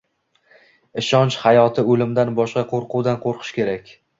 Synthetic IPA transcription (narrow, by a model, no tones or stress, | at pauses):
ɪʃɒnt͡ʃhajɒt̪ʰɪolɪmd̪anbɒʃqɑqʰoɾqʰuwd̪anqʰoɾqʰɨ̥ʃkʲe̞ɾakʲ